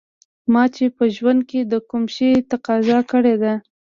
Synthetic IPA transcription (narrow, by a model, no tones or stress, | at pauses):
mɑt͡ʃepəʒwand̪̚ked̪əkumʃet̪aqɑzɑkəɽed̪a